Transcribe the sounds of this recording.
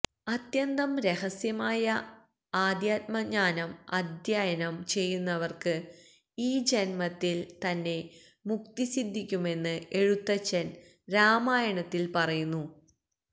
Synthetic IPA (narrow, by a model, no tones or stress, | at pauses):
ɐt̪jɐnd̪ɐmɾe̞ɦɐsjɐmaːjɐ | aːd̪jaːt̪̚mɐɲaːnɐmɐ̰d̪ʱjaːjɐnɐmt͡ɕe̞jːunːɐʋɐrkɨ | iːd͡ʑɐnmɐt̪ːilt̪ɐnːe̞ | muk̚t̪isid̪ʱːikʲːume̞nːɨe̞ɻut̪ːɐt͡ɕːɐn | ɾaːmaːjɐɳɐt̪ːilpɐrɐjunːu